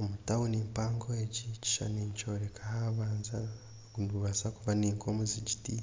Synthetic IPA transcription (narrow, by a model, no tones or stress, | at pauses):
omutawoniːmpaːŋɡoeɟici̥ʃa̰niɲt͡ʃoɾekʰahaβaːnza | ɡunduβasakuvaniːŋkomuziɟiti